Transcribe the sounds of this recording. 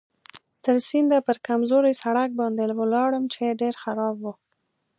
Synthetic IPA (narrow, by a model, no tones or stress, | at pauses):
t̪əɾsind̪apəɾkamzoɾajsaɽak̚bɑnd̪ewəlɑɽəmt͡ʃeɖeɾxaɾɑbwu